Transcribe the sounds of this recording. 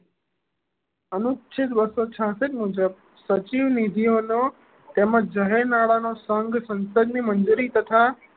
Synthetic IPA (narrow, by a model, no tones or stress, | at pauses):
ənʊt͡ʃʰɪt̪ʋəsot͡ʃʰãsɪt̪mud͡ʒəb | sət͡ʃiʋnɪd̪ʱiono | t̪emət͡ʃd͡ʒəɦeɾnaɭanosəŋɡsə̃nsəd̪nimənd͡ʒuɾit̪ət̪ʰa